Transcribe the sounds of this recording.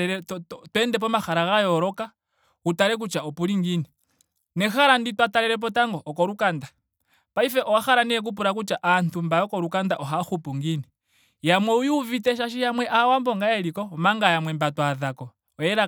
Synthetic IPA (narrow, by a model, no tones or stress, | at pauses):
ɛɾɛtwɛndɛp̬ɔmaxaɾaɣajɔɾɔka | utaɾɛk̬ut͡ʃaɔpuliŋɡini | nɛxaɾanditwatalɛɾɛp̬ɔtaŋɡɔʔːkɔɾukanda | paifɛʔɔwaxaɾaniɛk̬up̬uɾak̬ut͡ʃaʔantumbajɔkɔɾukandaʔɔɦaxupuŋɡini | jamwɛujuvitɛʃaʃ̬ijamwɛʔawambɔŋɡajɛlikɔmaŋɡajamwɛmbatwaðakɔ | ɔjɛɾa